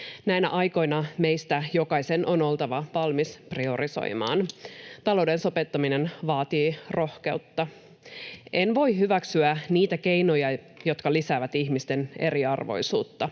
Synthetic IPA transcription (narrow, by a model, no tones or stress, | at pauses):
næinæ̰ʔɑjko̞jnɑme̞jst̪æjokɑjsenʔo̞no̞lt̪ɑʋɑʋɑlmisprio̞riso̞̰jmɑ̰ːnt̪ɑlo̞wdenso̞pet̪ːɑminenʋɑːt̪iːro̞hke̞ut̪ːɑ | ʔenʋo̞ihyʋæksyæniːt̪æke̞jno̞jɑ | jo̞t̪kɑlisæːʋæt̪içmist̪e̞ne̞̰ɾiɑrʋo̞̰jsuːt̪ːɑ